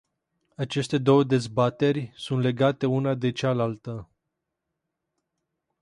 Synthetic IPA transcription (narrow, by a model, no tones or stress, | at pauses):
at͡ʃe̞st̪e̞d̪o̞wəd̪e̞zbat̪e̞rʲsunt̪le̞ɡat̪e̞unad̪e̞t͡ʃalalt̪ə